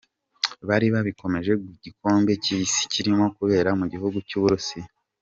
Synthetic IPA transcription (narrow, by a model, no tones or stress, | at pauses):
βaɾiβaβiko̞me̞ʒe̞ɡiɟiko̞ːmbe̞ciːsi̥ciɾimo̞kuβe̞ːɾamuɟihuɡucuːβuɾusi